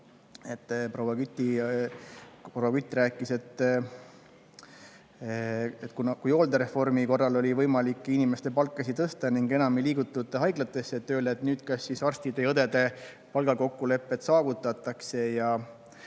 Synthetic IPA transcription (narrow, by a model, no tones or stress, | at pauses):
e̞t̪ˑːpro̞wːɑkyt̪ːˑi | powɑkyt̪ːˑræːkːˑise̞t̪ː | et̪ːkunɑkujo̞ːld̪eɾe̞fo̞rmiko̞rːɑlo̞lʲivɤjmɑlikːˑinimest̪e̞pɑlkːˑɑsit̪ɤst̪ɑniŋɡe̞nɑmiliːɡ̥ut̪ːˑut̪ːˑeɦɑjɡlɑt̪ːˑe̞sːeet̪ːˑøːld̪eːt̪nyːt̪kɑsːisɑrst̪id̪e̞jɤd̪e̞d̪e̞ | pɑlɡɑko̞kːule̞pːe̞t̪sɑːvut̪ːˑɑt̪ːˑɑkse̞jɑ